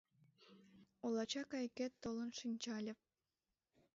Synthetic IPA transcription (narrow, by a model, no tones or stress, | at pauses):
olˠɑt͡ɕɑkɑjkʲet̪ːolˠənʃɨnʲt͡ɕɑlʲɤ̆p̚